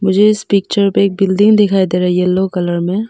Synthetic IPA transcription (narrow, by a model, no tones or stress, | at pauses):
mʊd͡ʒʱeɪspɪkt͡ʃəɾpeeːk̚bɪlɖ̪ɪ̃ŋɡd̪ɪkʰaːid̪eɾɐɦielokɐləɾmẽ